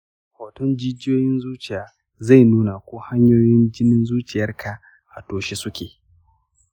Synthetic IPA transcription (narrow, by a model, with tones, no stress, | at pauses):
haː˨tɔ˦nd͡ʒɪ˦d͡ʒɪ˦joː˦jɪ˦nzuː˦t͡ʃɪ˨jaː˨ | za˦˨jnuː˦na˨kʷoː˦ha˦ɲjoː˦jɪ˦nd͡ʒɪ˦nɪ˦nzuː˦t͡ʃɪ˨jɐ˦rkʰa˨ | ʔa̰˨toː˨ʃe˦sʊ˦kʲeː˨